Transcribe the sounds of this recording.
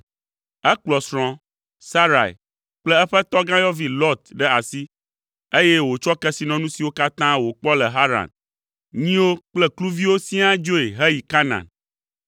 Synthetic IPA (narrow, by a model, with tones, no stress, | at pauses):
ɛ˦k͡plɔ˨sɾ̃ɔ̃˦ | sa˦ɾa̰˨ḭ˨ | k͡plɛ˦ɛ˦ɸɛ˦t̪ɔ˦ɡã˦jɔ˦vi˦lɔ˦t̪ɖɛ˦a˨si˦ | e˦jɛ˦wo˨t͡ʃɔ˦kɛ˦si˨nɔ̃˨nũ˦si˨wo˦ka˦t̪ã˦wo˨k͡pɔ˦lɛ˨ɦa˦ɾã̰˨n | ɲĩ˦wo˦k͡plɛ˦klu˦vi˦wo˦sĩ˦a˦d͡ʒo˦e˨ɦɛ˦ji˨ka˦nã̰˨n